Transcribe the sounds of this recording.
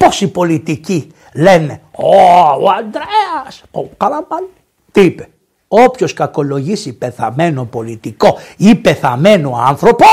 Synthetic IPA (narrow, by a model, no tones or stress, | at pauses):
po̞sipo̞lit̪ici | leneoo̰and̪ɾeɐsokɐlɐmɐn | t̪ipe̥ | o̞pço̞skɐko̞lo̞ʝisipe̞θɐme̞no̞po̞lit̪iko̞ipe̞θɐme̞noa̰nθɾo̞po